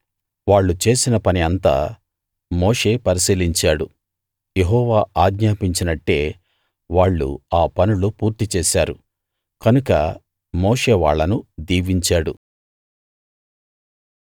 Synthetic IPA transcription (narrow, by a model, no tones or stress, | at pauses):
ʋaːɭːut͡ʃe̞ːsinɐpɐniɐnt̪a̰ː | mo̞ːʂe̞ːpɐɾisiːliɲt͡ʃaːɽu | je̞ɦɔːʋaːaːɡɲaːpiɲt͡ʃinɐʈːe̞ː | ʋaːɭːṵaːpɐnulupuːɾt̪it͡ʃeːʃaːɾu | kɐnukɐ̰ | mo̞ːʂe̞ːʋa̰ːɭːɐnud̪iːʋiɲt͡ʃaːɽu